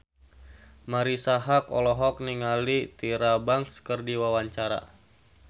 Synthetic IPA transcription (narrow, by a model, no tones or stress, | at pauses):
maɾisaɦakɔ̰lɔɦɔk̚niŋalit̪iɾabaŋkskərdiwawaɲt͡ʃaɾa̰